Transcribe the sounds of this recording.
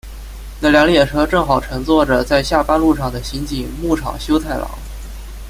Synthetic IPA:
na˥˩ljɑ˧˥ŋljɛ˥˨˩ʈ͡ʂʰɤ˧˥ʈ͡ʂɤ˥˩ŋxɑ˨˩ʊʈ͡ʂʰɤ˧˥ŋt͡swɔ˥˩ʈ͡ʂə˩t͡sa˥˧ɪɕja˥˩pa˥nlu˥˧ʂɑ˥˩ŋd̪ə˩ɕi˧˥nt͡ɕi˨˩˦ŋmu˥˩ʈ͡ʂʰɑ̰˨˩ŋɕjo˥ʊt̪ʰa˥˩ɪlʔɑ̰˧˥˦ŋ

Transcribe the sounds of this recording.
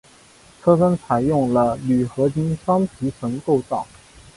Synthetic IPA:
t͡sʰɤ˥fə˥nt͡sʰa˧˥ɪjʊ˥˩ŋlə˩ly˨˩xɤ˧˥t͡ɕi˥nʂɑ˥ŋp̪ʰi˧˥ʂʰə˧˥ŋko˥˧ʊt͡sɑ˥˩ʊ

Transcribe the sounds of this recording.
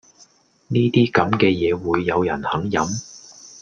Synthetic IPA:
niː˥t̪iː˥kɐ˨˥mkɛː˧jɛː˨˧wuː˨˧jːɐ˨˧wjɐ̰˨˩nhɐ˨˥ŋjɐ˨˥m

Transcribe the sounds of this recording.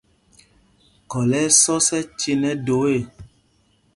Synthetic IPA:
kɔ˨lɛ˨˦sɔ˦sɛ˦t͡ʃi˧nɛ̃˦do˨˦e˦˨

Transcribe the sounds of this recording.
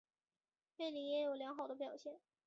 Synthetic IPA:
ne˥˩ɪli˧˥jɛ˧˥jo˨˩ʊljɑ˧˥ŋxɑ˨˩ʊd̪ə˦p̬jɑ˨˩ʊɕjɛ˥˩n

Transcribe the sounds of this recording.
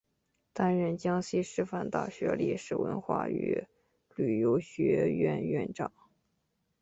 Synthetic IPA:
t̪a˥nɻə˥˩nt͡ɕjɑ˥ŋɕi˥ʂɻ̩˥˧fa˥˩nt̪a̰˥˩ɕɥɛ˧˥lḭ˥˩ʂɻ̩˥˩wə̰˧˥nxwa̰˥˩y̰˧˥ | ly˨˩jo˧˥ʊɕɥɛ˧˥ɥɛ̰˥˧nɥɛ̰˥˧nʈ͡ʂɑ˥˩ŋ

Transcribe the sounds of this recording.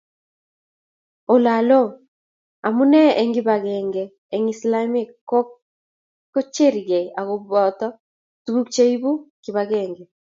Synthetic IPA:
o˨la˨lɔ˦ | a˨mu˦nɛ˦ɛŋɡiβaɣɛŋɡɛː˨ | ŋislami˦ko | ko˦t͡ʃeɾiɣɛ˨a˨ɣo˨βɔ˨tɔ˦ | tuɣu˦k̚t͡ʃe˦iβu˦ki˨βaɣɛːŋɡɛ

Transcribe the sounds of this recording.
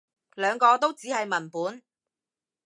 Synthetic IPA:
lœː˨˧ŋkɔː˧t̪o˥wt͡siː˨˥ɦɐ˨jmɐ˨˩npuː˨˥n

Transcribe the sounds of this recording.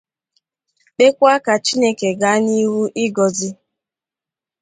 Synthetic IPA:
k͡pe˦kʷa˦ka˨t͡ʃi˦ne˦ke˨ɡa˦ni˦ɦu˦ʔɪ˦ɡɔ˨zi˦

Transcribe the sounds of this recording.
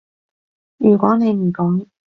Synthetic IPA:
jyː˨˩kʷwɔː˨˥ne˨˧jm̩˨˩kɔː˨˥ŋ

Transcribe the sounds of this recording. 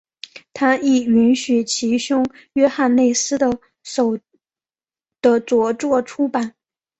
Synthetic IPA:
t̪ʰa˥i˨˩y˧˥nɕy˨˩t͡ɕʰi˧˥ɕʊ˥ŋɥɛ˥xa˥˧nne˥˩ɪsɹ̩˥d̪ə˨ | ʂo˨˩ʊ | d̪̥ə˦t͡swɔ˧˥ʈ͡ʂwɔ˥˩ʈ͡ʂʰu˥pa˨˩˦n

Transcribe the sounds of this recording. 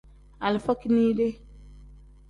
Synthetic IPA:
a˨lɪ˨fɔ˦ki˦niː˦de˦

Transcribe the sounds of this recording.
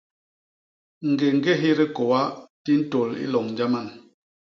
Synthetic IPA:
ŋ̩˨ɡe˨ŋ̩˦ɡe˦ɦi˦ɾi˦kɔ˨wa˦ti˦n̩˦to˨lḭ˦lɔ˨ŋn˨d͡ʒa˦ma˦˨n

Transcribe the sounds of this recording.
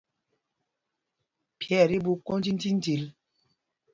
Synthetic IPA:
pjɛ˦˨ɾi˦bu˦ko˦n˦d͡ʒi˦n̩˦d͡ʒi˦n˦d͡ʒi˨l

